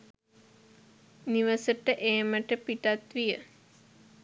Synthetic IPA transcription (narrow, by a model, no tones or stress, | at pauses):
niʋəsəʈəʔeːməʈəpiʈat̪ʋijə